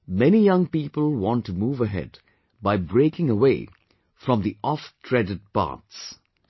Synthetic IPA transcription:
mɛnijʌ̃ŋpiːpəlˠwɔ̃ntumuːvəɦɛ̰d | baɪbɹeɪkɪ̃ŋəweɪ | fɹʌ̃mðiʔɔftʰɹɛdɨd̚pɑ̰ɹts

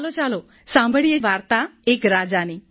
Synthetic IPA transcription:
lot͡ʃalo | sãmbʱəɭijeʋaɾt̪aekɾad͡ʒani

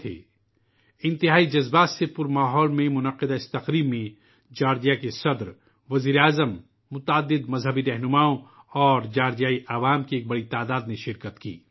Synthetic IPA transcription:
t̪ʰḛː | ɪ̃nt̪ɪɦaːid͡ʒɐzbaːsepʊɾmaːɦɔːlmẽmʊnɐqɪd̪aɪst̪ɐqɾiːbmẽ | d͡ʒaːɾd͡ʒijakesɐd̪ɾ | ʋɐziːɾeaːzəmː | ʊt̪aːd̪ːɪd̪mɐzɦəbiɾɛɦnʊmaːõ | ɔːɾd͡ʒaːɾd͡ʒijaːiʔɐʋaːmkieːk̚bɐɽit̪aːd̪aːd̪neʃɪɾkət̪kḭː

